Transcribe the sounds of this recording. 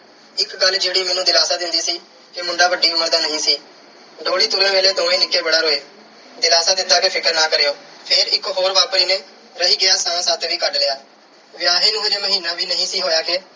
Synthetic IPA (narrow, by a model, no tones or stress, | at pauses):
ɪkɡəld͡ʒeːɽiːmɛ̃ːnũːd̪ɪlaːsaːd̪ɪnd̪iːsiː | kemʊ̃ɳɖaːʋəɖiːʊməɾd̪aːnəɦĩːsiː | ɖoːɽiːt̪ʊɾə̃ːʋeːleːd̪oːɽ̃iːnɪkːeːbəɽaːɾoːeː | d̪ɪlaːsaːd̪ɪt̪aːkeːpʰɪkəɾnaːkəɾejoː | pʰɪɾɪkɦoːɾʋaːpɽiːnẽː | ɾəɦiːɡɪjaːsãːsaːt̪ʋiːkəɖlɪːaː | ʋɪjaːɦeːnũːeɾeːməɦiːnãːʋiːnəɦĩːsiːɦoːjaːkeː